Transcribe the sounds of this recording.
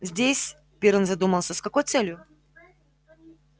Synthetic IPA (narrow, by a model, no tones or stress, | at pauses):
zʲdʲesʲ | pʲeɾɨnzɐd̪uməlˠsʲəskɐkojt̪sɛlʲjʊ